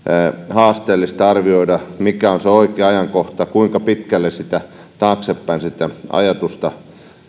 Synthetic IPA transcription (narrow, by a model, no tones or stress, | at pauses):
hɑːst̪eːlːist̪ɑrʋioidɑmikæonseoikeːɑjɑŋkoht̪ɑkuiŋkɑpit̪kælːesit̪æ | t̪ɑːksepːæinsit̪ːæʔɑ̰jɑt̪ust̪ɑ